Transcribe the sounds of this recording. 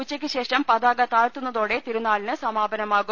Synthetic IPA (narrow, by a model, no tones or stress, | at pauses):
ut͡ɕːɐkʲːɨɕe̞ːʂɐmpɐðaːɡɐt̪aːɻt̪unːɐðo̞ːɽe̞t̪iɾunːaːɭinɨsɐmaːbɐnɐmaːɣu